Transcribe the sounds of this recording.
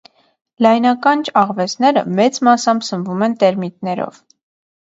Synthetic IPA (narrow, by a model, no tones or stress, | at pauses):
lɑjnɑkɑnt͡ʃʰɑʁvɛt͡snɛɾə̰mɛt͡smɑsɑmsəvumɛnt̪ɛɾmit̪nɛɾɔ̰v